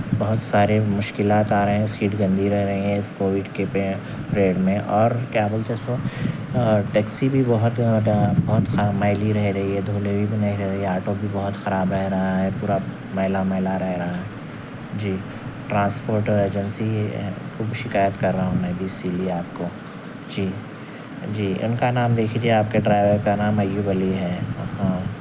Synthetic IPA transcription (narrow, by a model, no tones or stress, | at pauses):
bɐɦʊt̪saːɾemʊʃkɪlaːt̪aːɾɐɦɦɛ̃siːʈɡɐ̃nd̪ʱiɾɛɦɾɐɦiɦɛ̃ɪskoːwɪɖkepe | ɾeːɖmẽʔɔːɾkaːbəld͡ʒɛːso | ʈɛːksibʱibɐɦʊt̪bɐɦʊt̪xmaɪliɾɛɦɾɐɦiɦɛd̪ʱuːlebʱibʱinɐɦiɾɛɦɾɐɦiaːʈobʱibɐɦʊt̪xɐɾaːbɾɛɦɾɐɦaɦɛpuːɾa | mɐɦɪlamɐɦɪlaɾɛɦɾɐɦaɦɛ | d͡ʒiː | ʈɾãːnspoːɾʈəɾeːd͡ʒənsiɦɛ̰xuːbʃɪkaːjət̪kɐɾːɐɦaɦõmɛ̃ːbʱiːsiːliaːp̚ko | d͡ʒiː | d͡ʒiːʔʊ̰nkanaːmd̪eːkʰid͡ʒieaːp̚keɖɾaːɪʋekanaːmɐjubəliɦɛːhãː